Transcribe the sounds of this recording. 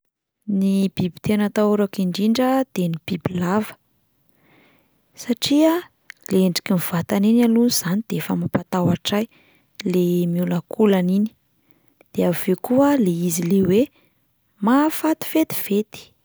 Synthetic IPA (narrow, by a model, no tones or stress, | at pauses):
nib̥ibi̥t̪enət̪auɾakiɳɖ͡ʐiɳɖ͡ʐəd̪̥enib̥ibilavə̥ | saʈ͡ʂia | leeɳɖ͡ʐi̥kʲimiv̥at̪aninalunuz̥anid̪̥eefəmapat̪awaʈ͡ʂaj | lemiulakʰulanini̥ | d̪̥eav̥ekuəleizilewe | mafat̪i̥fet̪i̥v̥et̪i̥